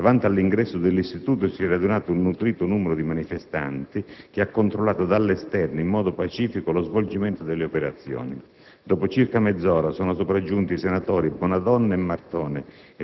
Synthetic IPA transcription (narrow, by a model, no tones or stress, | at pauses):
d̪avant̪ialːiŋɡɾɛsːʊd̪ɪlːist̪it̪uːt̪ʊsiɛrɾad̪unaːt̪unːut̪ɾiːt̪ʊnuːmɛɾʊd̪imanifest̪a̰nt̪ik̟ɪakːont̪ɾolːaːt̪ʊd̪alːɛst̪ɛrnʊimːɔːd̪ʊpat͡ʃiːfikolozvold͡ʒimɛnt̪ʊd̪elːeopɛɾat̪sːjɔ̰ːni | d̪ɔːpʊt͡ʃirkamɛd̪zːɔːɾasɔːnʊsopɾad͡ʒːunt̪isenat̪ɔːɾibwɔnad̪ɔnːaɛmːart̪ɔːnɪ